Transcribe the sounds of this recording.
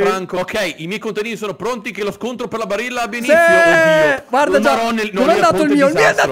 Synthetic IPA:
fɾaŋkookʰɛjʔimjɛjkont̪ad̪iːnisoːnopɾont̪ikeloskont̪ɾoperɾlabaɾilːaabjanisi | ɡward̪ad͡ʒaɾɔnenonɛad̪aːt̪oilmiːoilmioad̪a

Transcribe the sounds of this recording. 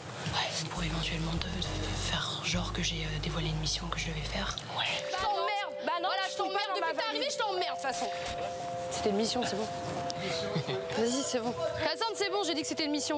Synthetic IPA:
wɛsɛpuʁevɑ̃t̪ɥɛlmɑ̃d̪əfɛʁʒɔ̃ʁkəʒeød̪evwaleynmisjɔ̃kəʒəd̪əvɛfɛːʁ | wɛ̃mɛʁd̪banvwalaʒət̪ɑ̃mɛʁd̪əyaʁiveʒət̪ɑ̃mɛʁd̪d̪əfasɔ̃ | se̥t̪ɛnmisjɔ̃sɛbɔ̃ | vazisɛbɔ̃at̪ɑ̃d̪sɛbɔ̃ʒed̪ikə̥set̪ɛnmisjɔ̃

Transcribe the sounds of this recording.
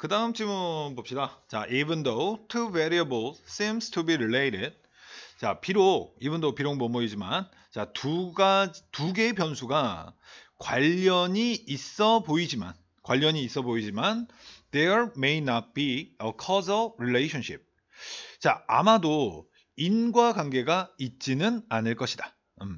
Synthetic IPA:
kɯdaɦɯmt͡ɕʰimɯbop̚ɕidat͡ɕa̰ʔivɯndowtʰuveɾiəbɯlsimstʰubiɾilejɾɪd̚ | t͡ɕa̰piɾoibɯndopiɾoŋmʌmoid͡ʑima̰n | t͡ɕatuɡad͡ʑtuɡe̞pjʌnsʰuɡa | kwaʎːʌɲiːs͈ʌboid͡ʑima̰n | kwaʎːʌɲiːs͈ʌboid͡ʑimand̥eɹmejnat̚piəkʰʌsʌɾilejɕʰʌnɕʰip̚ | t͡ɕaa̰mado | inɡwaɡwanɡe̞ɡait̚t͡ɕ͈inɯnanɯɭk͈ʌɕʰida | ɯm

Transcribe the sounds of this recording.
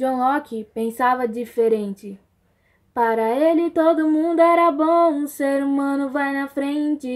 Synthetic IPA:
õhɔkɪpẽsavɐd͡ʒifeɾẽnt͡ʃɪ | paɾɐelɪt̪od̪ʊmũnd̪ʊɛɾɐbõũseɾumɐ̃nʊvajnɐfɾẽt͡ʃɪ

